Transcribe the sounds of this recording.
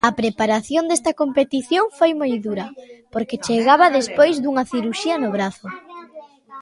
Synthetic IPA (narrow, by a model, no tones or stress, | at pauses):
ɐpɾepaɾaθjond̪est̪ɐkompet̪iθjoŋfojmojðuɾɐpoɾket͡ʃeɣaβɐðespojzd̪uŋɐθiɾuʃiɐnʊβ̞ɾaθʊ